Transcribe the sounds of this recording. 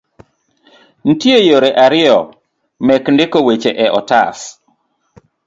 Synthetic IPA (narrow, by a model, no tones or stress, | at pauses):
n̩tjejoɾeʔaɾɪɔ | mɛkndɪkowet͡ʃeʔɛʔɔtas